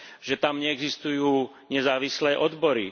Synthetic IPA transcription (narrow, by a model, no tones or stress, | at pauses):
ʒɛt̪amɲɛɛɡzist̪ujuː | ɲɛzaːʋislɛːʔɔd̪bɔɾḭ